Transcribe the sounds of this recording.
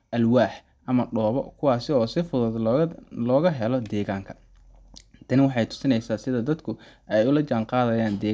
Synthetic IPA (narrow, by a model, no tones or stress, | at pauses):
ʔɐlwaːħ | ʔɐmɐɖɔːβɔ̰kʰʊwɑːsɪɔːsɪfʊðʊðlɔːɣɐɦɛlɔd̪ɛːɣaːŋkʰɐ̥ | t̪ʰɐnɪwɑħɑjt̪ʰʊ̥sɪnɛjsaːsɪðɐd̪ɐd̪kʰʊɛjʊlɐt͡ʃaːnqɑːðɐjaːnd̪ɛː